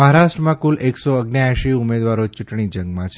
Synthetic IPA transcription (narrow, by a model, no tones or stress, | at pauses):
əɦaɾaʃʈɾəmãkuleksoəɡnjaʃiʊmed̪ʋaɾot͡ʃʊʈɳid͡ʒəŋɡmãt͡ʃʰ